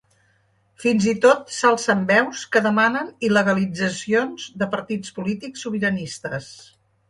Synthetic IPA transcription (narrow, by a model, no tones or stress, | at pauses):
finzit̪ot̪salˠsəmbɛwskəðəmanəniləɣəlid͡zəsionz̥d̪əpəɾt̪it͡spulit̪iksːuβ̞iɾənist̪əs